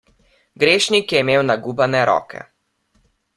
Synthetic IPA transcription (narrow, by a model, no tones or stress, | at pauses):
ɡɾeːʃnikjɛimeːwnaɡuːbanɛɾɔ̰ːkʰɛ̰